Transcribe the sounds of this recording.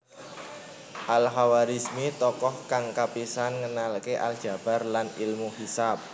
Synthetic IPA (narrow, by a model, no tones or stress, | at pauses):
ʔalɦawaɾismit̪ɔkɔhkaŋkapisanŋənalkeʔa̰ld̥ʒ̥a̤b̥a̤rlanilmuhisap̚